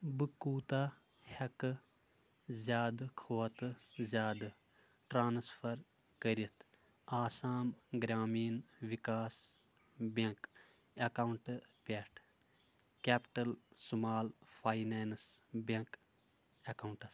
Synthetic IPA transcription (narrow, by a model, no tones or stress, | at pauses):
bɨkuːt̪a | hɐkɨ | zʲaːd̪kʰoːt̪zʲjaːd̪ɨ | ʈɾaːnspʰɐɾ | kəɾit̪ʰ | aːsaːmɡɾʲaːmiːnʋikaːs | beŋk | ɐkauɳʈpʲeʈʰ | keːpʈɐlsumaːlfʰaːjneːnsbeŋk | ɐkauɳʈɐs